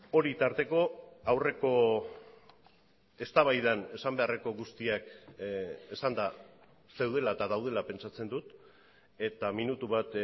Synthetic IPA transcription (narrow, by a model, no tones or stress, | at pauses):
o̞ɾit̪aɾt̪e̞ko̞awre̞ko̞ | e̞st̪aβajðane̞sambe̞are̞ko̞ɣust̪iak | e̞sand̪a | se̞wð̞e̞laet̪aðawð̞e̞lape̞nt͡ʃat͡se̞nd̪ut̪ | e̞t̪aminut̪uβat̪